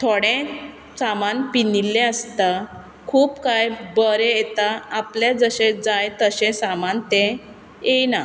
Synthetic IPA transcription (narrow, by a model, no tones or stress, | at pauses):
t̪ʰoɽẽ | t͡samanpinilːẽəst̪a | kʰuːpkajbəɾejet̪aapljad͡zəɕẽd͡zajt̪əɕẽsamant̪ẽ | ejna